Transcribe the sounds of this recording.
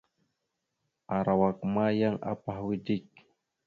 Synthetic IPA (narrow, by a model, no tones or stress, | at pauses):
aɾawakmajaŋʔa̰pahwɪdɪk̚